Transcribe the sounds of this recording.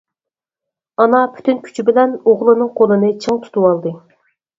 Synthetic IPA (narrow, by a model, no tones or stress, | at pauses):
ɑnɑpʰy̥t̪ynkʲʰy̥t͡ʃʰibɪlɛnoʁlˠɨnɨŋqʰolˠɨnɨt͡ʃʰɨŋt̪ʰu̥t̪uwɑlˠd̪ɨ